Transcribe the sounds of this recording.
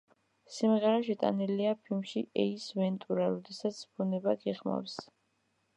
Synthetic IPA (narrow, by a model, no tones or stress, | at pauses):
simʁɛɾaʃɛt̪ʼa̰niliapʰilmʃiʔɛisvɛnt̪ʼuɾaɾɔd̪ɛsat̪sʰbunɛbaɡɛʁma̰fs